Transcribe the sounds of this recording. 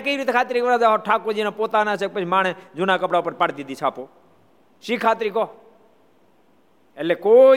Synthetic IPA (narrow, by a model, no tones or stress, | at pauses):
kəiɾit̪ekʰaːt̪ɾikʋəɾad͡ʒaɔʈʰakod͡ʒinopot̪anat͡ʃʰek̚pət͡ʃʰimaɽ̃ed͡ʒunakəpɽaupəɾpaɽd̪id̪it͡ʃʰaːpo | ʃikʰat̪ɾikɔː | eleko